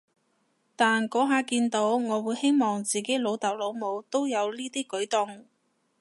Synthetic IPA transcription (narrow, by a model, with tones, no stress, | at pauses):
t̪aː˨˩nkɔː˨˥ɦaː˨˧kiː˧nt̪o˨˥wŋɔː˨˧wuː˨˧jhe˥jmɔː˨ŋt͡siː˨ke˨˥lo˨˧wt̪ɐ˨˩wlo˨˧wmo˨˧wt̪o˥wjɐ˨˧wliː˥t̪iː˥kɵ˨˥ɥt̪ʊ˨ŋ